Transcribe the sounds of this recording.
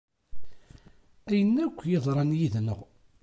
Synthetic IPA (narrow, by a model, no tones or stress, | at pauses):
æjənːækʷːjeðˤɾˤɑnjiðnə̰ʁ